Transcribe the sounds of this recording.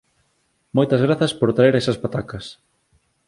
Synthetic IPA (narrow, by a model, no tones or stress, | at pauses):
mojt̪ɐzɣɾaθɐspoɾt̪ɾaeɾɛsɐspat̪akɐs